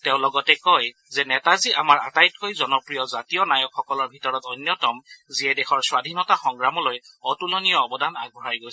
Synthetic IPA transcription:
teʊ̃lɔɡɔtɛkɔj | zɛnɛtaziʔamaɹa̰tajt̚kojzɔnɔpɹijɔzatijɔnajɔkxɔkɔlɔɹbʱitɔɹɔtɔjnjɔtɔmziɛdɛxɔɹswadʱinɔtaxɔŋɡɹamɔlojɔtulɔnijɔːbɔdʱanaɡ̚bʱɔɹajɡojsɛ

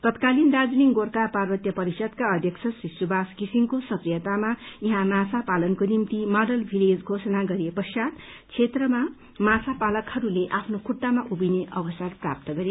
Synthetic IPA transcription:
t̪ʌt̪kalindad͡zniŋɡorkaparbʌt̪jʌpʌɾisʌd̪kaʌd̪ʱjʌkt͡sʰʌsrisubʱaskisiŋkosʌkrijʌt̪amajiɦãmasapalʌnkonimt̪imʌɖʌlbʱiled͡zɡʱosʌnaɡʌɾijepʌsjat̪ | t͡sʰet̪rʌma | masʰapalʌkhʌɾuleʔapʰnokʰuʈːamaʔubineʔʌbʌsarprap̚t̪ʌɡʌɾe

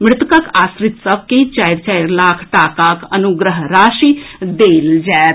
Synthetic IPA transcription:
mɽut̪ukɐkasɾit̪sɐʋ̚ket͡ɕajɾt͡ɕajɾlaːkʰʈakakɐnuɡɾəɦɾaːʃid̪eːld͡ʒɛːɾ

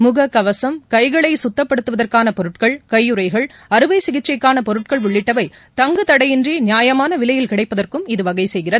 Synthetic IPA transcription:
mʊɣɐkːɐʋɐsɐmkɐɪɣɐɭɐɪsʊt̪ːɐpːɐɽɯt̪ːɯʋɐðɐrkaːnɐpɔɾɯʈkɐɭkɐjːɯɾɐɪɣɐɭ | ɐɾɯʋɐɪsɪɣɪt͡ʃːɐɪkːaːnɐpɔɾɯʈ̚kɐɭʋʊɭːɪʈːɐʋɐɪ | t̪ɐŋɡɯt̪ɐɽɐjɪndriːnjaːjɐmaːnɐʋɪlɐjɪlkɪɽɐɪpːɐðɐrkɯmɪðɯʋɐɣɐɪsɛjɣɪrɐð

